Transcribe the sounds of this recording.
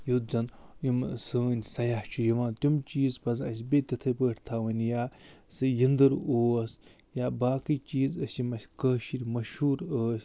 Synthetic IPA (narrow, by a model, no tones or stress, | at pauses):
jut̪zɐnimsəːnʲsɐjaht͡ʃʰijiʋãːnt̪ʲumt͡ʃiːzpɐs̬ɐsʲbʲet̪ʲɐt̪ʰɐpəːʈʰt̪ʰaʋɐnʲjaːsɨjind̪ɨɾoːs | jaːbaːkit͡ʃiːzɐsimɐsʲkəːʃiɾʲmɐʃhuːɾəːsʲ